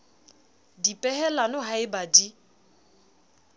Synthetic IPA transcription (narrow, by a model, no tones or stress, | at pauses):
dipʼɛhɛlanʊɦaɪbadi